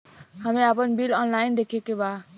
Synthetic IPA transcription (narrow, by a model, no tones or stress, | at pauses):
həmẽapənbilɔːnlaːɪnd̪ekʰekeba